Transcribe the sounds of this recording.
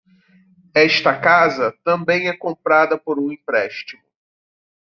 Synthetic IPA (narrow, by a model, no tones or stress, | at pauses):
ɛʃt̪ɐkazɐt̪ɐ̃mbẽj̃ɛkõmpɾad̪ɐpoɾũĩpɾɛʃt͡ʃimʊ